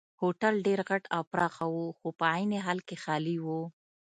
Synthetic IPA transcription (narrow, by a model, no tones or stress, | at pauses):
hoʈalɖeɾɣaʈawpɾɑxawuxopəajneɦɑlkexɑliwo